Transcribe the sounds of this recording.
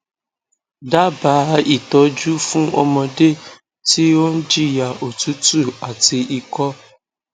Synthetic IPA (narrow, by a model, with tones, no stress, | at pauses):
da˦ba˨˦i˨tɔ˨˦d͡ʒu˦fũ˦ɔ̰˧mɔ̃˧de˦ | ti˦o˦n̩˦d͡ʒi˦ja˨o˨tu˦tu˦˨a˨ti˧ʔi˧kɔ˦